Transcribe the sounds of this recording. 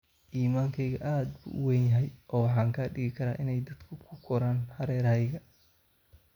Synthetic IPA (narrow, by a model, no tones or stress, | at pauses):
ʔiːmaːŋkʰɛjɣɐʔaːd̪bʊ̰ʔʊ̰wɛnjɐɦɛjʔɔːwɑħɑːŋkʰaːɖɪɣɪkʰɐɾa̰ːʔɪnɛjd̪ɐd̪kʰʊkʰʊkʰɔɾaːnhɐɾɛːɾɐjɣɐ